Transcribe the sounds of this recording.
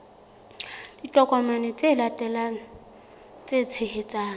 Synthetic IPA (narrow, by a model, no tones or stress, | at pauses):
d̥itʼɔkʼɔmanɛt͡sʼelatʼɛla | t͡sʼet͡sʰehet͡sʼaːŋ̩